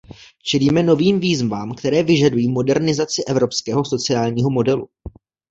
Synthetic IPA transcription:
t͡ʃɛliːmɛno̞viːmviːzvaːmkt̪ɛɾɛːvɪʒadujiːmo̞dɛɾnɪzat͡sɪʔɛvɾo̞pskɛːɦo̞sot͡sɪjaːlɲiːɦo̞mo̞dɛlṵ

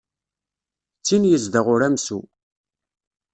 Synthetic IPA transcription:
t͡sːinjəzd̪əʁʊɾæmsu

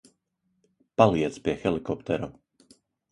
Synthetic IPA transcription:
palɪɛt͡spɾɪɛxɛlikɔpt̪ɛɾɔ

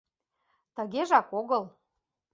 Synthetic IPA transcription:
t̪ə̆ɣeʒɑkoɣɤl

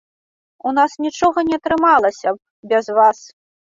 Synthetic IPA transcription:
unasnʲit͡ʂɔɣɐnʲɛɐt̪ɾɨmalˠɐsʲɐ | bʲɐzvas

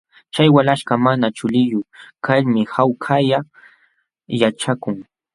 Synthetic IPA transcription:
t͡ʃajwalaʃkamanat͡ʃʊlɪjʊkaʎmɪhawkʰaja | jat͡ʃakʊŋ

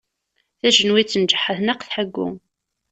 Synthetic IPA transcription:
θæʒənwit͡sːənd͡ʒəħəθnəqθħəɡːʊ̰

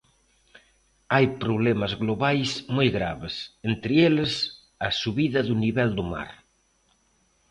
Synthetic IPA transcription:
ajpɾuβ̞lemazɣloβajsmojɣɾa̰βesent̪ɾɪeles | asuβiðɐðuniβɛld̪uma̰ɾ

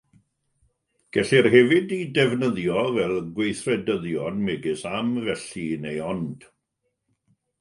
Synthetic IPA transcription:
ɡ̥ɛɬɪrɦɛvɪdidɛvnəðjɔvɛlˠɡwejθrɛdəðjɔnmɛɡɪsamvɛɬinejɔnd̥

